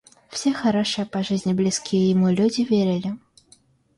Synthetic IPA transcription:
w̥sʲɛxaɾɔʂɨjɐpaʐɨzʲnʲiblʲiskʲijɛjimulʲud͡zʲivʲeɾʲɪlʲi

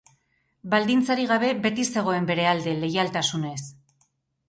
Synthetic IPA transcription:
bald̪int͡saɾiɣaβe̞be̞t̪ise̞ɣ̞o̞e̞mbe̞ɾe̞ald̪e̞le̞jalt̪asune̞s

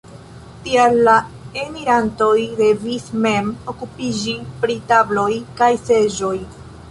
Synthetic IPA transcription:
tialːaemiɾanto̞jde̞visme̞mo̞kupid͡ʒipɾitablo̞jkajse̞ʒo̞j

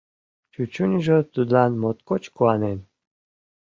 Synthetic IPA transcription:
t͡ɕut͡ɕunʲʒot̪ud̪lɑnmot̪kot͡ɕkuɑnen

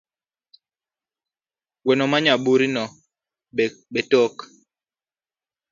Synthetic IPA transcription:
wɛnɔmaɲaɓuɾinɔ | ɓetɔk

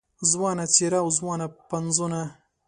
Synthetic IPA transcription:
zwɑnat͡seɾaːwzwɑnapanzuna

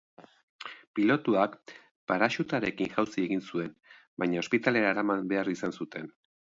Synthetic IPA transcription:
pilo̞t̪uak | paɾaʃut̪aɾe̞kinʝawsie̞ɣinsue̞n | bajɲao̞spit̪ale̞ɾaːɾamanbe̞arisansut̪e̞n

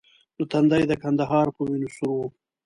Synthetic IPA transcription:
d̪̥ot̪and̪ajd̪əkand̪aɦɑːɾpəminusuɾ

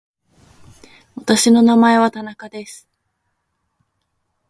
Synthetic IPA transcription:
βat̪aɕino̞namae̞β̞at̪anakad̪e̞sɨ̥

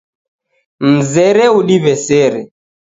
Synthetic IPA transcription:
m̩zɛɾɛuɗiβɛsɛɾɛ

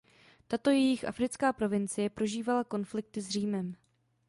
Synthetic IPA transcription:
t̪at̪o̞jɛjɪxʔa̰fɾɪt͡skaːpɾo̞vɪnt͡sɪjɛpɾo̞ʒiːvalako̞nflɪk̚t̪ɪzr̝iːmɛm

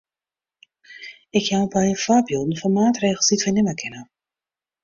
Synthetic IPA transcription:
ɪkjawbajəfaːbjodən̩fɔnmaːtreːɣlˠsditfɛjnɪməkʰɪnə

